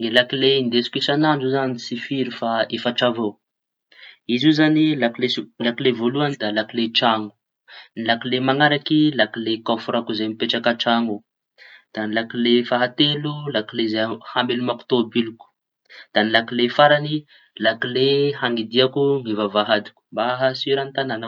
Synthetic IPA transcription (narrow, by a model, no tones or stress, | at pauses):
ŋilakileind̪esi̥kisanaɳɖ͡ʐuzanisifiɾifaefaʈ͡ʂava | izuzanilaklelakilevoluanid̪alakileʈ͡ʂaŋu̥ | nilakilemaŋaɾakilakilekafuɾakuzemipeʈ͡ʂakaʈ͡ʂaŋu | d̪̥anilakilefaɦat̪elulakilezehambelumaku̥t̪obiluku̥ | d̪̥anilakilefaɾani | lakilehaŋid̪iakuŋivavaɦad̪i̥ku̥mbaɦasiɾant̪anana